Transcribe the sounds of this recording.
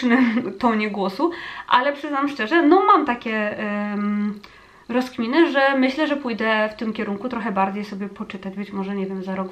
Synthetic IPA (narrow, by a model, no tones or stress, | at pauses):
nɛt̪ɔɲɛɡwɔsuʔa̰lɛpʂɘznamʂt͡ʂɛʐɛnɔmamt̪akʲɛ | ɾɔskmʲinɘʐɛmɘɕlɛʐɛpujd̪ɛft̪ɘmkʲɛɾuŋkut̪ɾɔxɛbaɾd͡ʑejsɔbʲjɛpɔt͡ʂɘt̪ad͡ʑbɘt͡ɕmɔʐɛɲɛvʲjɛmzaɾɔɡ